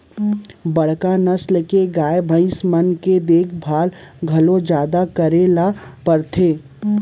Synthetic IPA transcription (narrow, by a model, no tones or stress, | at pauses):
bɐɽ̤kanɐsləkeɡaːebʱə̃ɪ̃smənked̪eːkʰbʱaːlɡʱɐlõd͡ʒjaːd̪akəɾelapəɾt̪ʰeː